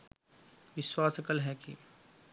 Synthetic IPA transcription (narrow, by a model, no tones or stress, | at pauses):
ʋɪʃwaːsɐkəlɦɛkḭ